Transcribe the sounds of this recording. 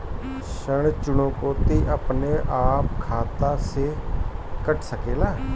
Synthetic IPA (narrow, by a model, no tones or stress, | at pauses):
ʃəɽ̃t͡ʃʊɽõːkoːt̪iːʔəpneːʔaːp̚kʰaːt̪aːseːkəʈʰsəkeːlaː